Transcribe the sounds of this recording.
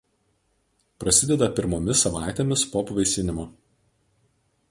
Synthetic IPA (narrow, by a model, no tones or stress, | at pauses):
pɾɐsʲɪd̪ʲɛd̪ɐpʲɪɾmoːmʲɪsɐʋɑˑɪt̪ʲeːmʲɪspoːpʋɐɪsʲɪnʲɪmoː